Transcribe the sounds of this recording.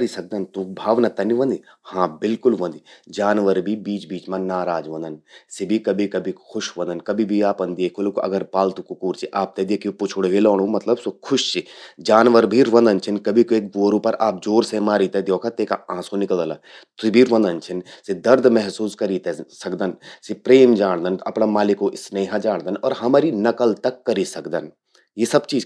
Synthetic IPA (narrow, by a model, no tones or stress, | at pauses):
kɐɾisɐk̚d̪ɐnt̪ũbʱaːʋnɐt̪ɐniʋɐ̃nd̪i | hãːbɪlkʊlʋɐ̃nd̪id͡ʒaːnʋəɾbʱibiːt͡ʃbiːt͡ʃmãnaːɾaːd͡ʒʋɐ̃nd̪ənsibʱikɐbʱikɐbʱikxʰʊʃʋɐ̃nd̪ənkɐbʱibʱiaːpɐ̃nd̪eːkʰolkoʔɐ̰ɡəɾpaːlt̪ukukuːɾt͡ʃʰiʔaːp̚t̪ed̪eːkʰjpʊt͡ʃʰʊɽʋeloːɽ̃ũmɐt̪ləbsokʰʊʃt͡ʃʰid͡ʒaːnʋəɾbʱiɾʋɐ̃nd̪ənt͡ʃʰinkɐbʱikoeːk̚boːɾũpɐɾʔaːp̚d͡ʒoːɾsemaːɾiːt̪ed̪joːkʰat̪eːkaãːsonɪkəld̪əla | t̪ibʱiɾʋɐ̃nd̪ɐnt͡ʃʰinsid̪ɐɾd̪mɛɦsuːskɐɾit̪esɐkd̪ɐnsipɾeːmd͡ʒaːɽ̃d̪ɐnɐpnamaːlɪkoʔɪsneːɦãd͡ʒaːɽ̃d̪ənɔːɾɦɐmaːɾinɐkəlt̪ɐkːɐɾisɐkd̪ɐn | jesɐbt͡ʃiːd͡ʒ